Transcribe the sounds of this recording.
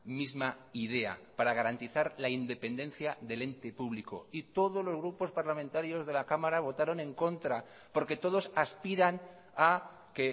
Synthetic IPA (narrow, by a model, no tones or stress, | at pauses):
mizmaiðe̞a̰paɾaɣ̞aɾant̪iθaɾlaind̪e̞pe̞nd̪ẽ̞nθjaðe̞le̞nt̪e̞puβliko̞̰it̪o̞ð̞o̞zlozɣ̞ɾupo̞spaɾlamẽnt̪aɾjo̞zðe̞lakamaɾaβ̞o̞t̪aɾo̞nẽ̞ŋko̞nt̪ɾa | po̞ɾke̞t̪o̞ðo̞saspiɾan | a | ke̞